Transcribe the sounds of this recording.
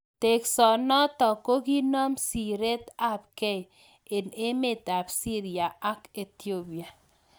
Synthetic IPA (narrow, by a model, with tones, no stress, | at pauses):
te˨ksɔ˨nɔ˦t̪ɔ˨ko˦ɡi˦nɔ˦msi˨ɾe˦t̪a˦˨p̚ke˦˨ | e˨ne˦me˨ta˨bsi˦ɾi˨a˨a˦ke˨t̪jo˦bi˨a˨